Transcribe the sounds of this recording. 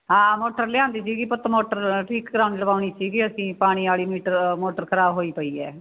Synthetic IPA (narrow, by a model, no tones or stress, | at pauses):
ɦãːmoːʈəɾlɪjãːnd̪iːsiːɡiːpət̪ːmoːʈəɾʈʰiːkɡɾãːʊnləbaːʊñiːt͡ʃiːɡiːəsĩːpaːɽ̃iːaːliːmiːʈəɾmoːʈəɾkʰəɾaːbɦoːiːpəiːɛː